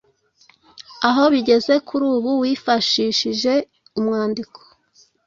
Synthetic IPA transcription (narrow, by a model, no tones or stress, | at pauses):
aɦo̞βiɟe̞ze̞kuɾuːβuwiːfaʃiːʃiʒe̞ | umŋaːndiko̥